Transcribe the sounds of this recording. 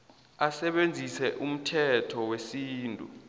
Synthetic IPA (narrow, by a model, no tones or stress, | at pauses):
asɛɓend͡zʱisɛʔum̩tʰɛtʰɔwesiːntʼṵ